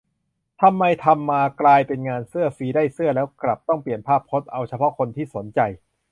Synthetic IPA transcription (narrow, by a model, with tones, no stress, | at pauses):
t̪ʰa˧mːa˧jt̪ʰa˧mːaː˧klaː˧jpe˧nŋaː˧nsɯ˥˩ɐfiː˧˩daː˥˩jsɯ˥˩əlɛː˦˥wkla˨˩p̚t̪ɔ˥˩ŋpli˨˩ənpʰaː˥˩p̚ʰːo˦˥t̪̚ʔa˧wt͡ɕʰa˧pʰɔ˦˥kʰo˧nt̪ʰiː˥˩so˩˦nt͡ɕa˧j